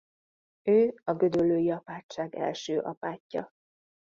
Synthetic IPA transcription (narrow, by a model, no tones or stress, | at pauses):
øːɒɡød̪ølːøːjiɒpaːt͡ʃːaːɡɛ̰lʃøːʔɒpaːcːɒ̰